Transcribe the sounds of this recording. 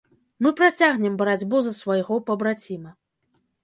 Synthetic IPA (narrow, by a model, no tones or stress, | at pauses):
mɨpɾat͡sʲaɣnʲɛmbɐɾad͡zʲbuzɐsvajɣɔpɐbɾat͡sʲimɐ